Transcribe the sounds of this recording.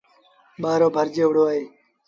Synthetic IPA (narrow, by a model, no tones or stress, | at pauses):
ɓaːɾoːbʱəɾd͡ʒeːʋʊɽoːaːeː